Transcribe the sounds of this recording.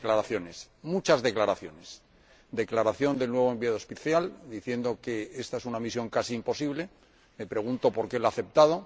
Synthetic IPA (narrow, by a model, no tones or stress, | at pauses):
klaɾaθjo̞ne̞s | mut͡ʃazðe̞klaɾaθjo̞ne̞s | d̪e̞klaɾaθjo̞nd̪e̞lnwe̞β̞oembiaðospiθjald̪iθje̞nd̪o̞ke̞est̪ae̞sunamisjo̞ŋkasiːmpo̞siβle̞ | me̞pɾe̞ɣ̞unt̪o̞po̞ɾke̞laaθe̞p̚t̪aðo̞